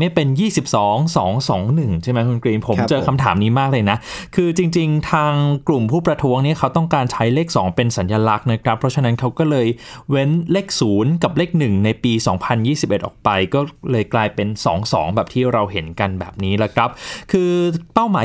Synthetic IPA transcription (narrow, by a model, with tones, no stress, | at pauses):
ma˥˩pe˧njiː˥˩si˨˩p̚sɔː˩˦ŋsɔː˩˦ŋsɔː˩˦ŋnɯ˨˩ŋt͡ɕʰa˥˩jma˦˥jkʰu˧nkɾiː˧npʰo˩˦mt͡ɕɤː˧kʰa˧mt̪ʰa̰ː˩˦mniː˦˥maː˥˩k̚lɤː˧jna˦˥kʰɯː˧t͡ɕi˧ŋt͡ɕi˧ŋt̪ʰaː˧ŋklu˨˩mpʰuː˥˩pɾa˧t̪ʰu˦˥əŋni˥ɐkʰa˦˥wt̪ɔ˥˩ŋkaː˧nt͡ɕʰa˦˥jleː˥˩k̚sɔː˩˦ŋpe˧nsa˩˦njaː˧la˦˥k̚na˦˥kʰɾa˦˥pʰːɾɔ˦˥t͡ɕʰa˧na˦˥nkʰa˦˥wkɔː˥˩lɤː˧jwe˦˥nleː˥˩k̚suː˩˦nka˨˩p̚leː˥˩k̚nɯ˨˩ŋna˧jpiː˧sɔ̰ː˩˦ŋpʰa˧njiː˥˩si˨˩p̚ʔe˨˩ʔɔː˨˩k̚pa˧jkɔː˥˩lɤː˧jklaː˧jpe˧nsɔː˩˦ŋsɔ̰ː˩˦ŋbɛː˨˩p̚t̪ʰiː˥˩ɾa˧wɦe˩˦nka˧nbɛ̰ː˨˩p̚niː˦˥lɛ˦˥kʰɾa˦˥p̚kʰɯː˧pa˥˩wmaː˩˦